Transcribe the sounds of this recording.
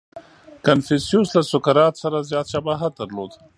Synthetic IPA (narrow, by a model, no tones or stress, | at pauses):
kanfisijuslasʊkaɾɑːt̪saɾazjɑːt̪ʃabaɦat̪̚d̪aɾloːd̪